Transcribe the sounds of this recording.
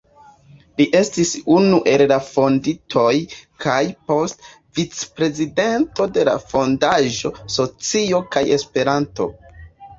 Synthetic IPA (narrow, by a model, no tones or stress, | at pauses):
liʔe̞stisunuʔe̞llafo̞nditʰo̞jkʰajpo̞st | vit͡spɾe̞zide̞nto̞de̞la̰fo̞ndaʒo̞so̞t͡sio̞kaje̞spe̞ɾanto̞̰